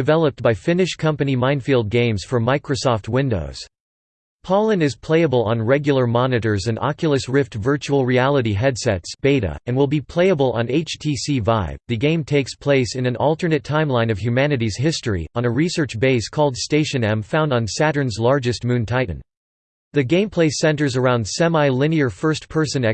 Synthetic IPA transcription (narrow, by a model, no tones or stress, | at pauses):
dɨvɛlˠəp̚t̚b̥aɪfɪ̃nɨʃkʰʌ̃mpɨnimãɪ̃nfilˠd̚ɡẽɪ̃mz̥fə˞maɪkɹosɔft̚wɪ̃ndo̰ʊz̥ | pʰɑlˠə̃ndɨz̥pʰl̥eɪɨbəl̩ˠə̃nɹɛɡjl̩ˠə˞mɑnɨɾə˞zɨ̃nɑ̰kjl̩ˠəsɹɪftvɜ˞t͡ʃul̩ˠɹiælˠəɾiɦɛd̥sɛ̰tsb̥eɪɾɨ̰ɨ̃nwəlˠbipʰl̥eɪəbəl̩ˠə̰̃neɪt͡ʃtʰisivaɪvðɨɡẽɪ̃mtʰeɪkspʰl̥eɪsɨ̃nɨ̃nɔlˠtə˞nɨtʰãɪ̃mlãɪ̃nʌv̥hjʉmænɨɾiz̥ɦɪstɹ̥ḭə̃nɨɹisɜ˞t͡ʃbeɪskʰɔlˠd̥steɪʃɨ̃nɛ̃mfãʊ̃ndn̩sæɾə̃˞nzlɑɹd͡ʒɨst̚mʉ̃ntʰaɪ̃n̩ | ðɨɡẽɪ̃mpʰl̥eɪsɛ̃ntə˞zə˞ãʊ̃nd̥sɛ̃maɪlɪ̃niə˞fɜ˞stpʰɜ˞sɨ̃nɛ